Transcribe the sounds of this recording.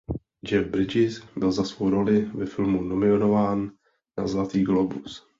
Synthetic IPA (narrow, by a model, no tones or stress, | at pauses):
d͡ʒɛvbɾɪd͡ʒɪsbɪlzasvowɾo̞lɪvɛfɪlmunomɪonovaːnː | a̰zlat̪iːɡlobus